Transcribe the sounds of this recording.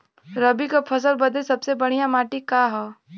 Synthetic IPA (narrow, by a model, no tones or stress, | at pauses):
ɾəbikapʰɐs̬əlbɐd̪ʱesɐbsebɐɽ̤̃ijamaːʈikaɦɛː